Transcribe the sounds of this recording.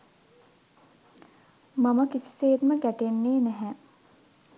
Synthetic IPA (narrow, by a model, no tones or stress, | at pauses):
maməkisi̥seːt̪məɡæʈenːeːnæɦɛ